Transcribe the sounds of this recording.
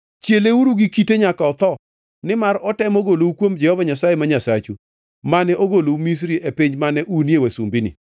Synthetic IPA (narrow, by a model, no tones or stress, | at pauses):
t͡ʃjeleuɾuɡikiteɲakaɔt̪ɔ | nɪmarɔtɛmoɡoloukwomd͡ʒɛhɔvaɲasajemaɲasat͡ʃu | manɛʔoɡoloumis̬ɾiʔepiɲd͡ʒmanɛʔunjewasṵmbinḭ